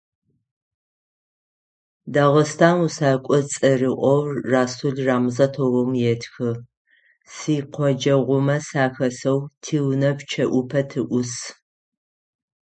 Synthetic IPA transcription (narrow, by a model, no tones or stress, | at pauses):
dɐʁəstʰaːnusaːkʷʼɔt͡sʼɨrɨʔʷɔwrraːsuɮraːmzɐtʰowɔmjɛtʰxɨ | siːqʷʰɔd͡ʒɐʁʷʊmɐsaːxɐsɐwtʰiːwnɐpt͡ʃʰɐʔʷʊpʰɐtʰɨʔʷʊs